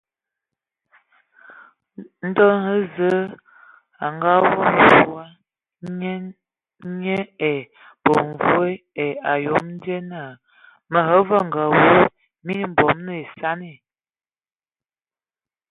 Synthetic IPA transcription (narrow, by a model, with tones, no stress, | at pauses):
n̩˦dɔ˦nhə˦zə˦ | a˨ŋɡa˦vɔ˦m˨vu˨˦a˦ | ɲe˦e˨ | bo˨ɱ˨vwe˦ | e˨a˨jo˨˦mn˦de˦na˦˨ | mə˨ɦə˦və˦ŋ˨ɡa˨wu˦ | mi˦n˦m̩˨bɔ˨mnə˦˨e˨sa˦ne˦˨